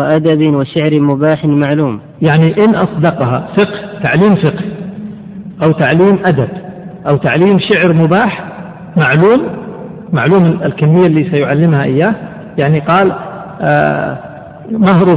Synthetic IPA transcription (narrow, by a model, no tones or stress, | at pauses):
aʔad̪abɪwaʃɪʕɾmʊbaːħɪnmaʕluːm | jaʕniʔɪnʔɑsˤd̪ɑqɦafɪqht̪aʕliːmfɪqh | ʔawt̪aʕliːmʔad̪abʔawt̪aʕliːmʃɪʕɾmʊbaːħ | maʕluːmː | aʕluːmɪlkamːɪjːalːiːsajʊʕalːɪmhaʔɪjːaːh | jaʕniqɑːl̰ | mahɾu